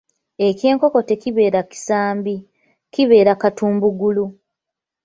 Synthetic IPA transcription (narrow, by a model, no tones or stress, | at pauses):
e̞ce̞ːŋko̞ko̞te̞ciβe̞ːɾaci̥saːmbi | ciβe̞ːɾakatuːmbuɡulu